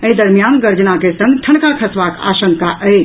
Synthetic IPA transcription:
əid̪əɾmijanɡəɾd͡ʒnakesə̃ŋɡt̪ʰɐɳkakʰəsʋaka̰ːʃə̃ŋkaʔəe

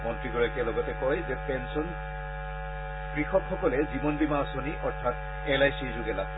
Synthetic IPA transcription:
mɔntɹiɡɔɹakɛlɔɡɔtɛkɔɹɛzɛpɛnsɔn | kɹixɔkxɔkɔlɛzibɔnbimaɔsɔniʔɔɹtʰat | ɛlajsizoɡɛla̰

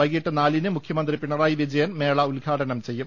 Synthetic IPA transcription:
ɐɡijiʈːɨnaːlinɨmukʰjɐmɐnd̪ripiɳːɐraːjiʋid͡ʑɐjɐnme̞ːɭɐulɡʱaːʈɐnɐmt͡ɕe̞jːum

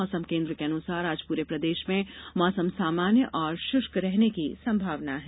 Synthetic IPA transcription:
ɔːsəmkẽːnd̪ɾəkeɐnusaːɾaːd͡ʒpuːɾepɾɐd̪eːʃmẽmɔːsəmsaːmaːnjəʔɔːɾʃʊʃkɾɛɦnekisɐ̃mbʱaːʋnaɦɛː

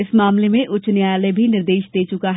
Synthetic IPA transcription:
ɪsmaːmlemẽʔʊt͡ʃnjaːjlebʱinɪɾd̪eːʃd̪eːt͡ʃʊkaɦɛ

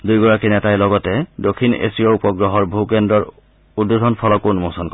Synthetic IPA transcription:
dujɡɔɹakinɛtajlɔɡɔtɛdokʰinḛsijɔupɔɡɹɔɦɔɹbʱukɛndɹɔɹ | udːudʱɔnpʰɔlɔkunmosɔnkɔ

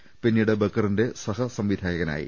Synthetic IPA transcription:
pinːiːɽebekːɐrinde̞sɐhɐsɐmʋid̪ʱaːjɐɣɐna̰ːjḭ

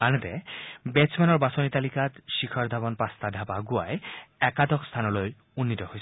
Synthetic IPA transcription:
anɛt̪ɛbesmɛnɔɹbasonit̪alikat̪ʃikʰɔɹd̪ʱabɔnpast̪adʱabaɡua̰jɛkad̪ɔkst̪ʰanɔloj | unːit̪ɔhojs

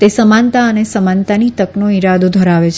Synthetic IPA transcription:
t̪esəmãnt̪aənesəmãnt̪anit̪əknoiɾad̪od̪ʱəɾaʋet͡ʃʰ

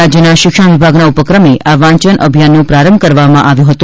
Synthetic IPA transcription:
ad͡ʒjənaʃɪkʃəɳʋibʱaɡnaupəkɾəmeʔaʋãɲt͡ʃənʔə̰bʱijanːũpɾaɾəmbʱkəɾʋamãʔaʋjũɦət̪ũ

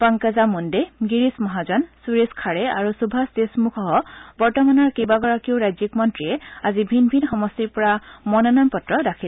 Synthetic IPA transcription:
paŋkazamundeɡiɹismɔɦazɔnsuɹeskʰaɹɛa̰ɹusubʱasdesmukʰɔɦɔbɔɹtɔmanɔɹkejbaɡɔɹakiʊɹajzikmɔntɹiɛazibʱinbʱinxɔmɔstiɹpɔɹamɔnɔnampɔtɹɔdakʰil

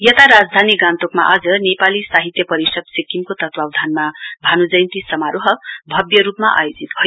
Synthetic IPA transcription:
jʌt̪aɾad͡zd̪ʱaniɡãnt̪okma̰ʔad͡zʌnepalisaɦit̪jʌpʌɾisʌd̪̚sikimkot̪ʌt̪wawd̪ʱanmabʱanud͡zʌjnt̪isʌmaɾoɦʌbʱʌbjʌɾupmaʔa̰jod͡zit̪bʱʌj

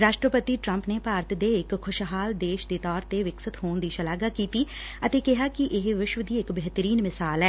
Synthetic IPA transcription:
ɾaːʃʈɾəpət̪iːʈɾəmpneːpaːɾt̪d̪eːɪkʰːʊʃɦaːld̪eːʃd̪eːt̪ɔːɾt̪eːʋɪksət̪ɦoːnd̪iːʃəlaːɡaːkiːt̪iː | ət̪eːkɪɦaːkɪʔɪɦʋɪʃʋəd̪iːɪkbeːɦt̪əɾiːnmɪsaːlɛː

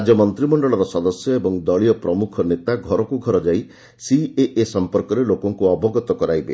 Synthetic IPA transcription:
d͡ʒɔmɔnt̪ɾimɔɳɖɔɭɔɾɔsɔd̪ɔsjɔebɔŋd̪ɔɭiɔpɾɔmukʰɔnet̪aɡʱɔɾɔkuɡʱɔɾɔd͡ʒaj | sieʔesɔmpɔɾkɔɾelokɔŋkuɔbɔɡɔt̪ɔkɔɾajbḛ

